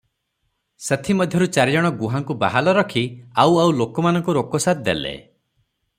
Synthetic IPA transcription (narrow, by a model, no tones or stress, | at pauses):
set̪ʰimɔd̪ʱjɔɾut͡ʃaɾijɔɽ̃ɔɡuɦaŋkuba̰ɦalɔɾɔkʰiawawlokɔmanɔ̃ŋkuɾokɔsat̪̚d̪ḛlḛ